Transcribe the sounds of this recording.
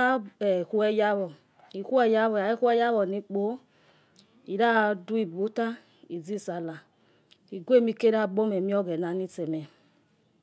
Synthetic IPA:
a˦ɛ˨hu˦ɛ˧ja˦βɔ˨ | i˨ku˦ɛ˦˧ja˧βɔ˨a˨˦i˦kʷɛ˦ja˦βɔ˨ni˧k͡po˨˦ | i˨ɾa˦du˦i˨bu˨˦ta˦ | i˨d͡zi˦˨sa˨la˨ | i˨ɡʷe˦˨mi˧ke˦ɾa˦˨bo˦mɛ˨mi˦ɔ˦ɡɛ˨na˨ni˦t͡sɛ˨mɛ˨

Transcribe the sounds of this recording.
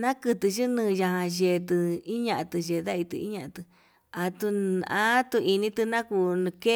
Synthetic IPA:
nã˦kɨ˧t̪ɨ˧ʃɨ˦nɨ̃ː˧ja˧ɦã˧ʒe˧˨˧t̪ɨ˧i˦ɲã˧ʔa˧t̪ɨ˧ʒe˨ða˦i˧t̪ɨ̰˧ḭ˦ɲã˧ʔã˧t̪ɨ˧ | a˧t̪u˧a̰˦t̪u˧i˧nĩ˧t̪ɨ˧nã˦ku˧ñ˧ke˦

